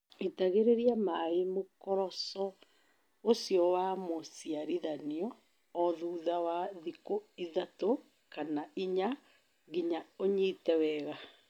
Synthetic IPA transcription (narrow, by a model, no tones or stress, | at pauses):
itaɣeɾeɾiamaemokɔɾɔsɔ | osiɔwamosiaɾiðaniɔː | ðuːðawaðikoiðato | kanaiɲa | ɣiɲaoɲiːtɛwɛːɣa